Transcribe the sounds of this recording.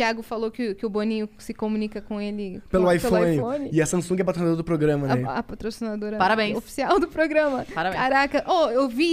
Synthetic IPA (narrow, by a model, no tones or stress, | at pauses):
t͡ʃiaɡʊfalokɪkɪʊbonĩɲʊsɪkomunikɐkõelɪpelʊajfelõjnɪõnɪiɐsɐ̃sũɡɛpat̪ɾsind̪oɾɐd̪ʊpɾoɡɾɐ̃mɐnɛɐpat̪ɾosinad̪oɾɐpaɾɐbẽj̃osfi̥siawd̪ʊpɾoɡɾɐ̃mɐpaɾɐbẽkaɾakɐʔoewvi